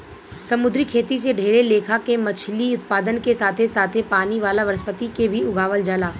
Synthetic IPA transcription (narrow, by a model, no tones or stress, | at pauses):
sɐmʊd̪ɾikʰeːt̪is̬eɖʱeːɾeleːkʰakemɐt͡ʃʰliʊt̪paːd̪ənkesaːt̪ʰesaːt̪ʰepaːniʋaːlaʋɐɾəspət̪ikebʱiʊɡʱaːʋəld͡ʒaːlaː